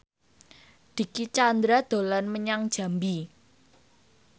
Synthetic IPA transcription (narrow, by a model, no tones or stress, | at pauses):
d̪̥i̤kit͡ʃand̪ɾad̪̥o̤lanməɲaŋd̥ʒ̥a̤mbi